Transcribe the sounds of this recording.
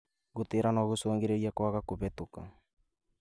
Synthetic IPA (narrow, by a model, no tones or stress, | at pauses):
ɣoteɾanɔɣosoːŋɡeɾeiakwaɣakoβɛtoka̰